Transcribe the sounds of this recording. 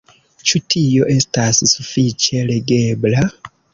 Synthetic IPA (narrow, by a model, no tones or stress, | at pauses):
t͡ʃutijoʔestasisufit͡ʃeleɡebla